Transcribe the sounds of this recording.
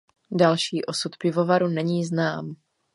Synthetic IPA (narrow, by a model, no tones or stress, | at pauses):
dalʃiːʔo̞sut̪pɪvo̞vaɾunɛɲiːznaːm